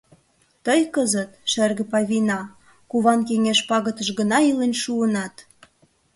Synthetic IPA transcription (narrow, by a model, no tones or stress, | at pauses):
t̪əjkəzət̪ʃerɣə̆pɑβʲinɑ | kuβɑnkeŋeʃpɑɣət̪əʃɣənɑilenʲʃuənɑt̪